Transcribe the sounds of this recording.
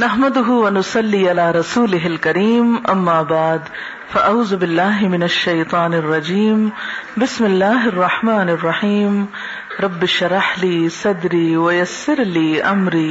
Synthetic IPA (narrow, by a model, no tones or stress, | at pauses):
nɐɦmad̪ʊɦʊwɐnʊsɑlːiːʔalaːɾˤɑsuːlɪɦɪlkɐɾiːmʔɐmːaːbaʕd̪ | fɐʔaʕuːzʊbɪlːaːɦɪmɪnɐʃːɐjt̪ˤɑːnɪrˤːɑd͡ʒiːmbɪsmɪlːaːɦɪrˤːɑħmaːnɪrˤːɑħiːm | ɾˤɑbːɪʃɾˤɑħliːsɑd̪ɾiːwɐjɐsːɪɾliːʔɐmɾiː